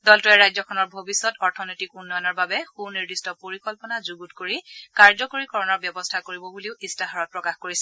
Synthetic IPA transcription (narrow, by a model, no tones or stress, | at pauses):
dɔltuɛɹajzɔkʰɔnɔɹbʱobisːɔtɔɹtʰɔnojtikunːɔjɔnɔɹbabɛxuniɹdistɔpoɹikɔlpɔnazuɡutkoɹikaɹzɔkoɹikɔɹɔnɔɹbjɔbɔstʰakoɹibɔbuliʊʔistaɦaɹɔt̚pɹɔkaxkoɹisɛ